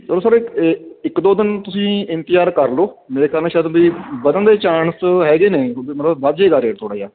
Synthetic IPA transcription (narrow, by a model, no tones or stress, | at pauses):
soɾoːsəɾɪkd̪oːd̪ɪnt̪ʊsĩːɪ̃nt̪ɪjaːɾkəɾloːmeːɾeːkʰaːɾnẽːʃaːd̪biːbəd̪ənd̪eːt͡ʃaːɳsɦɛːɡeːneːomət̪ləbʋaːd͡ʒeːɡaːɾeːʈt̪ʰoːɽaːjaː